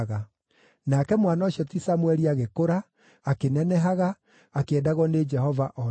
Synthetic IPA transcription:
ɣa | nakɛmwanaoɕjɔtisamwɛɾiaɣekoɾaː | kenɛnɛɦaɣaː | keɛdaɣɔned͡ʒɛhɔvaʔɔ

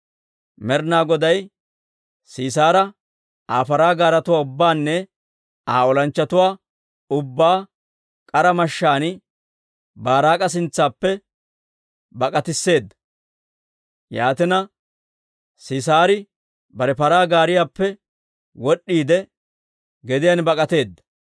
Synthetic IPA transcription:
mɛɾnaːɡɔd̪ɐj | siːs̬aːɾɐ | aːpɐɾaːɡaːɾɐt̪ʊwaːʊbːaːnːɛ | aːɔlɐnt͡ʃːɐt̪ʊwaː | ʊbːaː | kʼɐɾɐmɐʃːaːnɪ | baːɾaːkʼɐs̬ɪnt͡sːaːpːɛ | bɐkʼɐt̪ɪsːe̞ːd̪ːɐ̥ | jaːt̪ɪnɐ | siːsaːɾɪ | bɐɾɛpɐɾaːɡaːɾɪjaːpːɛ | wɔɗːiːd̪ɛ | ɡɛd̪ɪjanbɐkʼɐt̪e̞ːd̪ːɐ̥

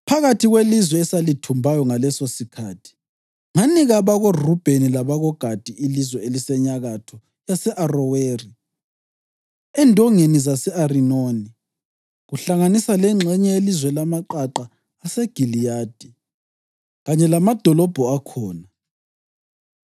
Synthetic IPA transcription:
pʰaɣatʰiɣwelizwɛːsalitʰumbʱajɔŋalɛsosikʰaːtʰi̥ | ŋaniɣaβaɣorub̥ʱenilaβaɣɔɡ̥ʱad̥ʱiilizwɛelisɛɲaɣatʰɔ | jasɛʔarɔweːri | ɛndʱɔŋenizasɛarinoni | ɣuɬaŋanisalɛŋ͡ǁʱɛɲɛelizwɛlamaǃaǃaː | sɛɡ̥ʱilijaːd̥ʱi | ɣaɲɛlamad̥ʱɔlɔb̥ʱɔakʰɔːna

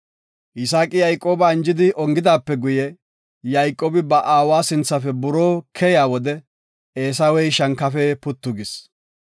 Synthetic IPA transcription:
ʔɪsaːkʼɪjɐjkʼːo̞ːbɐɪnd͡ʒɪd̪ɪʔɔŋɡɪd̪aːpːɛɡʊjɛ | jɐjkʼːoːbɪbɐʔaːwaːsɪnt͡sːɐfɛbʊɾoːkʰɛjaːwɔd̪ɛ | eːsɐwɛjʃɐŋkːɐfɛpʊt̪ːʊɡɪs

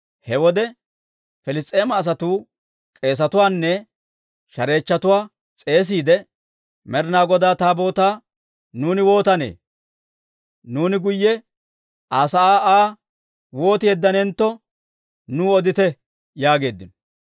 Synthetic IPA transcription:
hɛwɔd̪ɛ | fɛlɪs̬t͡s̪ʼe̞ːmɐːs̬ɐt̪uː | kʼe̞ːs̬ɐt̪ʊwaːnːɛ | ʃɐɾe̞ːt͡ʃːɐt̪ʊwaː | t͡sʼe̞ːs̬iːd̪ɛ | mɛɾnaːɡɔd̪aːt̪aːbo̞ːt̪aː | nuːnɪwo̞ːt̪ɐnḛː | nuːnɪɡʊjːɛ | ʔaːsɐaːʔaː | wo̞ːt̪ɪɛd̪ːɐnɛnt̪ːɔ | nuːɔd̪ɪt̪ɛ | jaːɡe̞ːd̪ːɪnɔ̥

